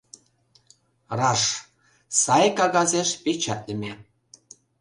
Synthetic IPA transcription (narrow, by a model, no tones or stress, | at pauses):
rɑʃ | sɑjkɑɣɑzeʃpet͡ɕɑt̪lə̆mʲe